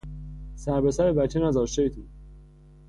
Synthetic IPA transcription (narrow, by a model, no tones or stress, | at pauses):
sæɾbesæɾebæt͡ʃʰːenæzɒːʃt̪eit̪ʰu